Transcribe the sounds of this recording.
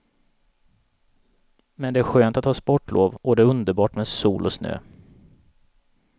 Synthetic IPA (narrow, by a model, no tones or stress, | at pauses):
mɛnd̪ɛæɾɧøːnt̪at̪hɑːspɔʈːlʔo̰ːvbɔd̪ɛæɾɵnd̪əɾbɑːʈmeːd̪sṵːlʔɔsnø̰ː